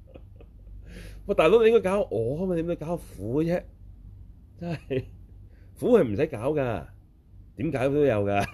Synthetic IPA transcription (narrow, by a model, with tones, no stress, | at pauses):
wɛ˧˩t̪aː˨jlo˨˥ne˧jŋkɔ˥kaː˨˥wʔɔː˨˧a˥a˥˨t̪i˨˥no˧kaː˨˥˨fuː˨˥˧t͡sɛː˥ | t͡saː˥˩j | fu˨˥hɐ˨jm̩˨˩sɐ˨˥jkaː˨˥wkaː˧ | t̪iː˨˥mkaː˨˥jt̪o˥wjɐ˨˧wkaː˧